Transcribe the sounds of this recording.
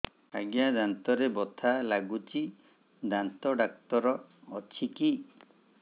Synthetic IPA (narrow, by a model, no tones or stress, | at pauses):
aɡjad̪ant̪ɔɾebɔt̪ʰalaɡut͡ʃʰi | d̪ant̪ɔɖak̚t̪ɔɾɔːt͡ʃʰiki